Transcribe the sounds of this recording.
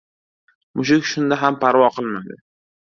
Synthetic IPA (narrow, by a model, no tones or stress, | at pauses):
mʊʃ̬ɪkʲʃʊnd̪aɦampʰaɾvɒqʰɨlˠmad̪ɪ